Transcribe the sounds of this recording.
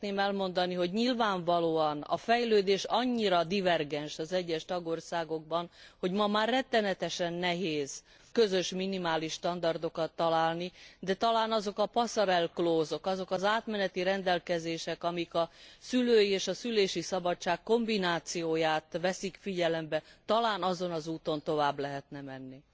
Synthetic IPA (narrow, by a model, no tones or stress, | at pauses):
t̪neːmɛlmo̞nd̪ɒniɦo̞ɟɲilvaːɱvɒloːɒnɒ̰fɛjløːd̪eːʃɒɲːiɾɒd̪ivɛrɡɛnʃɒzɛɟːɛʃt̪ɒɡo̞rsaːɡo̞ɡ̚bɒnho̞ɟmɒmaːrːɛt̪ːɛnɛt̪ɛʃɛnːɛɦeːz̥ | kø̞zø̞ʃminimaːliʃːt̪ɒnd̪ɒrd̪o̞kɒt̪ːɒlaːlnid̪ɛt̪ɒlaːnɒzo̞kɒpɒsɒɾɛlkloːzo̞kɒzo̞kɒzaːt̪mɛnɛt̪iɾɛnd̪ɛlkɛzeːʃɛkɒmikɒsyløːjieːʃɒsyleːʃisɒbɒt͡ʃːaːkːo̞mbinaːt̪sijoːjaːt̪ʋɛsikfiɟɛlɛmbɛt̪ɒlaːnɒzo̞nɒzuːt̪o̞nt̪o̞vaːblɛɦɛt̪nɛmɛnːi